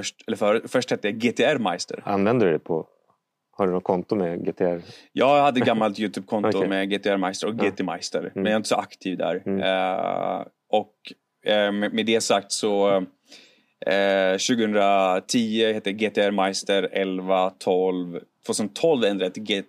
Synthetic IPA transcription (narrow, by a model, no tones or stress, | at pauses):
œʂʈɛlːəfœːɾəfœʂʈhɛt̪ːəjaɡeːt̪ʰeæɾmajst̪ə̰ɾa̰nvɛnd̪əɾɵd̪ɛpʰɔ | haɖɵnɔt̪̚kʰɔnt̪ʊmɛɡeːt̪ʰɛæɾjɑːɡhad̪ːəɡamːalt̪jʉːt̪ʰʉːb̚kʰɔnt̪ʊmɛɡeːt̪ʰeæɾmajst̪əɾɔkɡeːt̪ʰɛma̰jst̪ə̰ɾmɛnjaɪnt̪əsɔʔakt̪ʰiːvd̪æ̰ɾ̰ | ʔɔk | ɛmɛd̪ɛjasak̚t̪sɔ | ɕʉ̟ːɡəhɵnd̪ɾat̪ʰiːəheːt̪ːəjaɡeːt̪ʰɛæɾmajst̪əɾɛlvat̪ʰɔlvt̪ʰvoːsɔnt̪ʰːɔlvɛnd̪ɾad̪ɛt̪ɡe